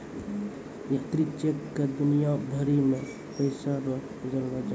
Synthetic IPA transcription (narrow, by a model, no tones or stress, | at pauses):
jat̪ɾit͡ʃekːed̪unijabʱəɾime | pəɪsaɾə | d͡ʒəlbad͡ʒa